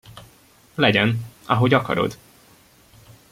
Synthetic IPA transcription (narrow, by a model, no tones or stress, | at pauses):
lɛɟɛnɒɦo̞ɟɒkɒ̰ɾo̞̰d̪